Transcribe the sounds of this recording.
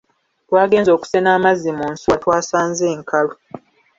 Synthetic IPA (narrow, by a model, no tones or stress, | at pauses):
waːɡe̞ːnzo̞ːku̥senaːmazːimuːnsuatwaːsaːnzeːŋkʰalo